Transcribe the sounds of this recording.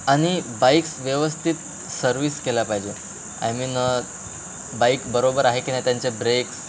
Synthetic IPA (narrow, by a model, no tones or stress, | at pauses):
aɽ̃ibajksʋjəʋəst̪ʰit̪ | səɾʋiːskelapaɦid͡ʑe | a̰jmiːnə | baikbəɾobəɾaɦekinajt̪jaɲt͡ɕebɾeks